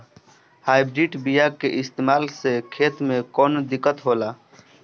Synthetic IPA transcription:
haːɪbɾiʈbijakeʔɪst̪eːmaːlsekʰeːt̪mẽkɔːnd̪ɪkːət̪ɦoːlaː

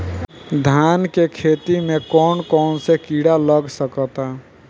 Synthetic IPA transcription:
d̪ʱankekʰet̪imekɔnkɔnsekiɽaləɡsəkət̪a

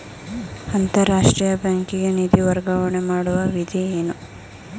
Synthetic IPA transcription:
ɐnt̪ɐɾaːʂʈɾiːjɐbaːŋkiɡenid̪iʋɐɾɡaʋɐɳemaːɽuʋɐʋid̪ʱieːnu

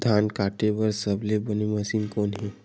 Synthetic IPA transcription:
d̪ʱankaʈeʋəɾsəblebəniməsiːnkonɦi

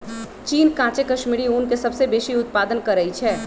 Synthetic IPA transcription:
t͡ʃiːnkãːt͡ʃekɐʃmiːɾiuːnkesɐbsebeːʃiʊt̪̚paːd̪ənkɐɾːəɦit͡ʃʰɛː

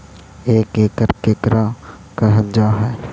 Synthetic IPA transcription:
eːkeːkəɾkeːkɾa | kəɦəld͡ʒaːɦɛː

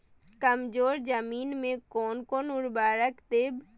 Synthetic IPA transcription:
kəmd͡ʒoːɾd͡ʒəmiːnmẽkɔːnkoːnʊɾbaːɾəkt̪eːb

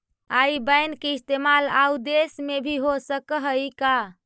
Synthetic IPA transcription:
aibəjnkeist̪emalaud̪esmebʱiɦosəkəɦəjka

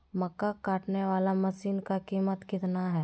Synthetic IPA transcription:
mɐkːakaːʈneʋaːlamɐʃiːnkakiːmət̪kɪt̪naɦɛː

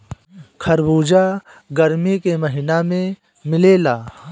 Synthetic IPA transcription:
kʰɐɾbuːd͡ʒa | ɡɐɾmikemɐɦɪnamẽ | mɪleːlaː

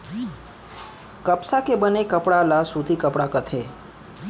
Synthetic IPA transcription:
kəpsakebənekəpɽalasut̪ikəpɽakət̪ʰe

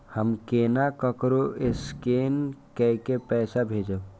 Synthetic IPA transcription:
həmkeːnakəkɾoʔeskeːnkɛkepɛːsabʱeːd͡ʒə

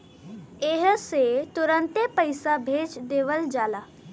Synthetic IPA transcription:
eɦset̪ʊɾə̃nt̪epəjsabʱeːd͡ʒd̪eːʋəld͡ʒaːlaː

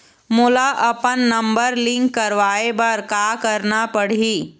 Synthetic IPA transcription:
mʊlaʔɐpənːɐ̃mbəɾlɪ̃ŋkːɐɾʋaːebɐɾkaːkəɾnapəɽ̤iː

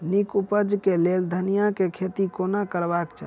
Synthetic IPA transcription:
nikupəd͡ʒkeleld̪ʱənijakekʰet̪ikonakəɾbakt͡ʃʰa̰

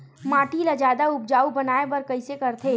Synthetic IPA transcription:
mãːʈilad͡ʒaːd̪aʊp̚d͡ʒaːubɐnaːebɐɾkɐɪsekɐɾt̪ʰeː

